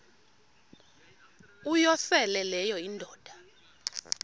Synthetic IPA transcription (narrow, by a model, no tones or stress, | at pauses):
ujɔsɛlɛlɛjɔindʱɔːd̥ʱa